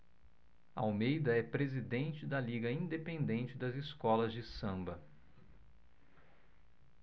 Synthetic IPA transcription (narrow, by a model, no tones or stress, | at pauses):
ɐawmejd̪ɐɛpɾezid̪ẽnt͡ʃɪd̪ɐliɡɐĩd̪epẽnd̪ẽnt͡ʃɪd̪ɐzɪskɔlɐzd͡ʒɪsɐ̃mbɐ